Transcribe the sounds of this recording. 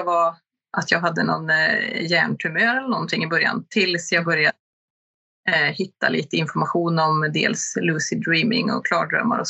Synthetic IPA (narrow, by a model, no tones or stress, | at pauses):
va | ʔat̪jɑːɡɦad̪ːənɔnjæːɳʈʰɵmøːɾɛlːəɳɔnt̪ʰɪŋːɪbœɾja̰nt̪ʰɪlsjɑːɡbœɾja | hɪt̪ːaliːt̪əɪnfɔɾmaɧuːnɔmd̪ḛːlslʉːsɪd̪ɾiːmɪ̰ŋɔ̰kʰlɑ̰ːɖɾœ̰mːa̰ɾɔ